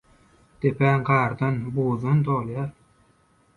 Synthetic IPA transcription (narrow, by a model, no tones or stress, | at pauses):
d̪̥epʰæːŋɡɑːɾd̪ɑnboːðɑnt̪ʰoːlˠjɑːɾ